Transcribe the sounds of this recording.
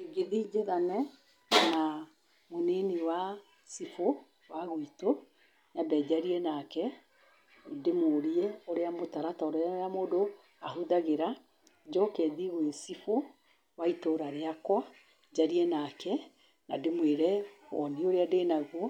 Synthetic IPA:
ɡeðid͡ʒeðanɛ | na | moneniwa | sifo | waɣuito | ɲabɛd͡ʑaɾiɛnakɛ | demoɾiɛoɾeamotaɾataoɾamoːdo | aɦuðaɣeɾa | d͡ʑɔkɛðiɣwesifo | waitoɾaɾeakwa | d͡ʑaɾiɛnakɛ | nademweɾɛɔ̰nioɾeadeːnaɣo

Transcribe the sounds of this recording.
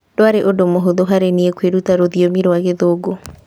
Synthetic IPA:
doaɾeʔodomoɦoðoɦaɾeniekweɾutaɾoðiomiɾwaɣeðoɡo

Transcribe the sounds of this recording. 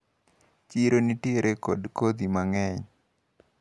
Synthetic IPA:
t͡ʃiɾonitiɾʔeko̰dkod̪imaŋɛɲ

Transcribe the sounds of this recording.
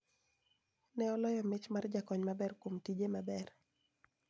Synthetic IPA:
nɛɔlɔjɔmɪt͡ʃmard͡ʒakɔɲmabɛrkwomtid͡ʒemabɛr

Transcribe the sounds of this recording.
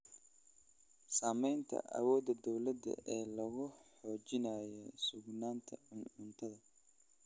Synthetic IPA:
saːmɛjnt̪ʰɐ̰ʔɐ̰wɔːd̪ɐd̪ɔwlɐd̪ɐ̰ʔɛːlɐɣʊħɔːt͡ʃɪnaːjɔsʊɡnaːnt̪ʰɐʊnʊnt̪ʰɐðɐ

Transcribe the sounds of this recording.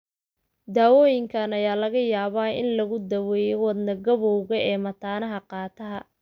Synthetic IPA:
d̪aːwɔːjɪŋkʰɐnɐjaːlɐɣɐjaːβaːɪ̰nlɐɣʊd̪ɐwɛːjwɐd̪nɐɡɐβɔwɣɐɛːmɐt̪ʰaːnɐɦɐqɑːt̪ʰɐɦɐ

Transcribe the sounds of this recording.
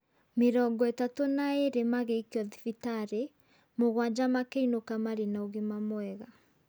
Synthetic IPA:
meɾɔŋɡɔetatonaeɾemaɣeikɔðifitaɾe | moɣwad͡ʒamakeinokamaɾenaoɣemamwɛɣa

